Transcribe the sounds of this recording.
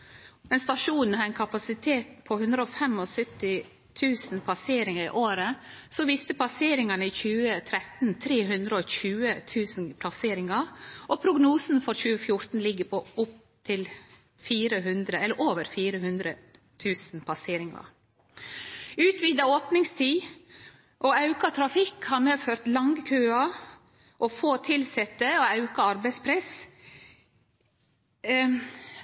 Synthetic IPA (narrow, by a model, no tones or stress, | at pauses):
mɛnst̪ɑʃuːnn̩hɑːɾɛnkʰɑpɑsɪt̪ʰeːt̪pʰɔhʉnd̪ɾəoːfɛmɔsœt̪ɪ | t̪ʰʉːsn̩pʰɑseːɾɪŋəɾḭːʔoːɾəsɔʋiːst̪əpʰɑseːɾɪŋɑnəiːçʉːət̪ʰɾɛt̪n̩t̪ʰɾeːɦʉnd̪ɾəoːçʉːət̪ʰʉːsnpʰlɑseːɾɪŋɑɾʔɔpʰɾʊɡnuːsn̩fɔɾçʉːəfjʊɾt̪n̩lɪɡːəpʰɔʊp̚ | t̪ʰɪl | fiːɾəɦʉnd̪ɾəɛlːəɾʔoːʋəɾfiːɾəhʉnd̪ɾə | t̪ʰʉːsn̩p̪ʰɑseːɾɪŋɑ̰ | ʉːt̪ʋiːd̪ɑoːpnɪŋst̪ʰiː | ʔoɑʉkɑt̪ʰɾɑfɪkhɑɾmeːføːɾt̪lɑŋɡkʰøːɑ | ʔɔfoːt̪ʰɪlsɛt̪ːəɔɑʉkɑɑɾbɛɪspʰɾɛs